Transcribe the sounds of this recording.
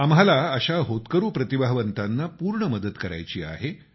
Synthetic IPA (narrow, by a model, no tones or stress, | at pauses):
amɦalaəɕaɦot̪kəɾuːpɾət̪ibʱaɦʋənt̪anːapuːɾɳəməd̪əd̪kəɾa̰jt͡ɕiːa̰ɦe